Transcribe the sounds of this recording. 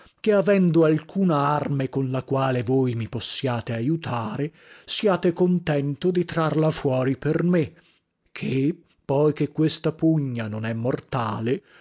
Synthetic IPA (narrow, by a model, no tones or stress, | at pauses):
keavɛnd̪oalkʰuːnaarmekonlakwaːlevojmiposːjaːt̪eajut̪ʰaːɾe | siaːt̪ekont̪ɛnt̪od̪it̪ɾarlafwɔːɾiperme | kʰe | pːɔjkekːwest̪apuɲːanonɛmːort̪aːle